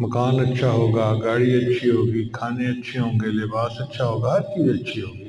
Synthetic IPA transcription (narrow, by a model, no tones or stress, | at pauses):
mɐkaːnɐtːʃʰaɦoːɡaːɡaːɽiɐtːt͡ʃʰiɦoːɡiːkʰaːneɐtːʃʰeɦõːŋɡeːlɪbaːsɐtːʃʰaɦoːɡaɦɐɾkiʋiɐtːʃʰiɦõːɡiː